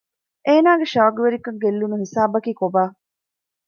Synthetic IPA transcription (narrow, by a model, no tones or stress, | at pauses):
ʔeːnaːɡeʃɐʋɐɡuʋeɾikɐŋɡelːunuhisaːbɐkiːkobaː